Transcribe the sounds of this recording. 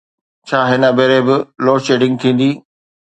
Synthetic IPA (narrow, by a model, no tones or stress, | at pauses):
t͡ɕʰaːɦɪnəbeːɾebɪloːʃeːʈɪ̃ŋɡ̚t̪ʰĩːn̆d̪iː